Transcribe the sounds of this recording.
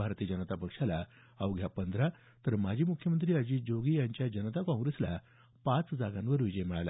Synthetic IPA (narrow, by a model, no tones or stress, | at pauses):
aɾt̪iːəd͡ʑənət̪apəkʂala | əʋɡʱjapənd̪ɾa | t̪əɾmad͡ʑʱiːmukʰjəmənt̪̬ɾiːəd͡ʑiːd͡ʑoɡiːjaɲt͡ɕjad͡ʑənət̪akɔ̃ŋɡɾesla̰ | pat͡sd͡zaɡãnʋəɾʋid͡ʑəjemɭala̰